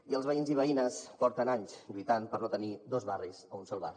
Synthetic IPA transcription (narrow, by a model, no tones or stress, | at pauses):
iəlˠzβəinziβəinəspɔɾt̪ənaɲsʎujt̪anpəɾnot̪ənid̪ozβarizəunsɔlˠβari